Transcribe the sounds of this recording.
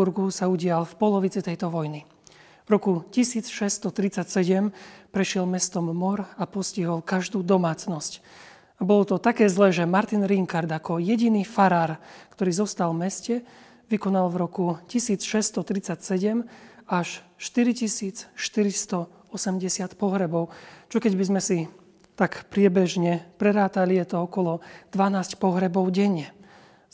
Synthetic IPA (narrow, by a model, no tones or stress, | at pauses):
uɾɡusauɟɪalfpɔlɔʋit͡sit̪ɛjt̪ɔʋɔjni | vɾɔkucisiːt͡sʃɛst̪ɔt̪ɾit͡sacsɛɟɛmpɾɛʃɪɛlmɛst̪ɔmːɔɾapɔsciɦɔlkaʒd̪uːd̪ɔmaːt͡snɔsc | abɔlɔt̪ɔt̪akɛːzlɛːʒɛmaɾt̪inɾiŋkaɾd̪akɔjɛɟiniːfaɾaːɾkt̪ɔɾiːzɔst̪almɛscɛ | ʋikɔnalʋɾɔkucisiːt͡sʃɛst̪ɔt̪ɾit͡sacsɛɟɛmaʃʃt̪iɾicisiːt͡sʃt̪iɾist̪ɔ | ɔsɛmɟɛsɪat̪pɔɦɾɛbɔʊt͡ʃɔkɛɟbizmɛsi | t̪akpɾɪɛbɛʒɲɛpɾɛɾaːt̪alijɛt̪ɔɔkɔlɔd̪̥ʋanaːscpɔɦɾɛbɔʊɟɛɲːɛ